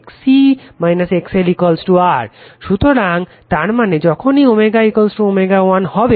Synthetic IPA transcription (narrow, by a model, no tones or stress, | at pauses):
ksimajnasekselikolsʈuaɾʃut̪oɾaŋ | t̪aɾmaned͡ʑɔkʰoniomeɡaikolsʈuomeɡawanhɔbe